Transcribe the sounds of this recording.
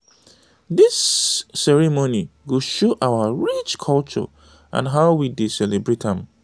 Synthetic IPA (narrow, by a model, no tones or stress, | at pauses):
disːɛɹimoniwuʃoʔawaɹit͡ʃkʰɔlt͡ʃɔ̰ | ʔã̰nɦaʊwidisɛlebɹetɛ̃m